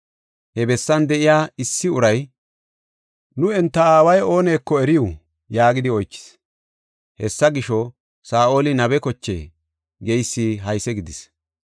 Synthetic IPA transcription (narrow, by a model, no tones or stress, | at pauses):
hɛbɛsːɐnd̪ɛʔɪjaːɪsːɪʊɾɐj | nʊɛnt̪ːɐaːwɐjo̞ːneːkːɔɛɾɪju | jaːɡɪd̪ɪɔjt͡ʃːɪ̥s | hɛsːɐɡɪʃɔ | saːʔo̞ːlɪnɐβɛkɔt͡ʃːḛː | ɡejsːiːɦɐjsɛɡɪd̪ɪs